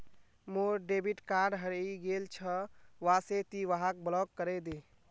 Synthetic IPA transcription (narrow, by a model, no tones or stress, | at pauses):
moɾɖebiʈkaɖɦəɾeiɡelt͡ʃʰəʋaset̪iʋaɦak̚blɔkːəɾɛd̪e